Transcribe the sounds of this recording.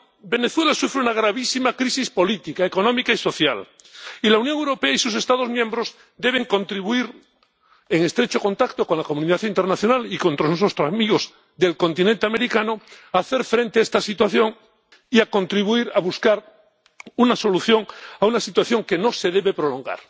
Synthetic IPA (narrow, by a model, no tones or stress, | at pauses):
be̞ne̞θwe̞lasufɾeunaɣ̞ɾaβisimakɾisispo̞lit̪ikaekonõmikaiso̞θjalilaunjõŋewɾo̞pe̞aisus̬e̞st̪aðo̞zmjẽ̞mbɾoz | d̪e̞β̞e̞ŋkõ̞nt̪ɾiβuiɾ | eŋe̞st̪ɾe̞t͡ʃo̞ko̞nt̪akt̪o̞ko̞nlakomuniðaθint̪e̞ɾnaθjo̞nalikont̪ɾoznesost̪amiɣo̞z | ðe̞lko̞nt̪inẽnt̪eame̞ɾikanoaːθe̞ɾfɾe̞nt̪eaest̪asit̪waθjo̞ŋ | iako̞nt̪ɾiβuiɾaβuskaɾ | unaso̞luθjo̞ŋaunasit̪waθjo̞ŋke̞no̞se̞ðe̞βe̞pɾo̞lõ̞ŋɡa̰ɾ